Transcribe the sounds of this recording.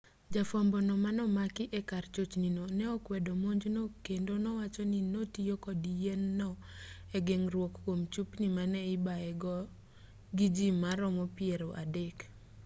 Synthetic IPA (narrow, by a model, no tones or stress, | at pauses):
d͡ʒafɔmbɔnɔmanɔmakɪʔɛkart͡ʃot͡ʃninonɛɔkwɛdomoɲd͡ʒnokendonɔwat͡ʃɔninotijokɔdijɛnːɔɛɡeŋrwɔkːomt͡ʃupnimanɛɪbaɛɡɔ | ɡid͡ʒimːaɾɔmɔpieɾoʔa̰dek